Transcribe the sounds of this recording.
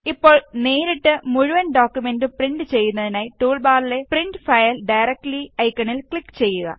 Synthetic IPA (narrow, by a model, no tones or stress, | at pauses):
ipːo̞ːɭneːɾiʈːɨmuɻuʋɐnɖo̞ːkːjume̞ndupriɳɖɨt͡ɕe̞jːunːɐðinaːjiʈuːɭbaːrile̞priɳɖɨfɐjɐlɖɐjrɐk̚ʈliɐjkːɐɳilkɭikːɨ̥t͡ɕe̞jːuɣɐ̰